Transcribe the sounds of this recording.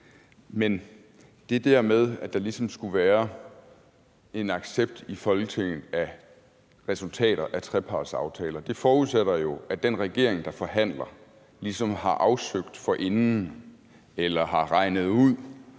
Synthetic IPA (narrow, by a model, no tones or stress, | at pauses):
men | d̥e̝d̥æɐmeð̞ˠæd̥ɑ̈lisɒ̽msɡ̥uʋæːɐ | e̝nɑ̈ɡ̥seb̥̚d̥ifɒ̽lɡ̥ət͡sʰeŋ̰n̩ˠæ | ʁɛsult͡sʰɛ̰ːɾɐʔæt͡sʰʁɛpʰɑ̈d̥sɑ̈ʊt͡sʰɛːlɐd̥e̝fɒːuðˠseɾ̥ɐjo̝æd̥enʁɛɡ̥e̝ɐ̰eŋd̥ɑ̈fɒ̽ɦæn̰lɐ | lisɒ̽mhɑ̈ʔɑ̈ʊsøɡ̥̚d̥fɒ̽ʔe̝nn̩ | elɐɦɑ̈ʁɑ̈ɪ̰nð̞̩ˠuð̰ˠ